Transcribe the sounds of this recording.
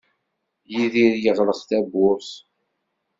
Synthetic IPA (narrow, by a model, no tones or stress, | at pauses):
jiðiɾjəʁləθθæbʊɾθ